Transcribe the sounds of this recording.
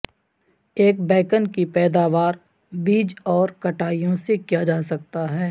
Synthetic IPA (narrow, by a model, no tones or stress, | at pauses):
eːk̚bɛːkənkipɛːd̪aːʋaːɾ | biːd͡ʒɔːɾkɐʈaːijõsekijad͡ʒaːsɐk̚t̪aɦɛː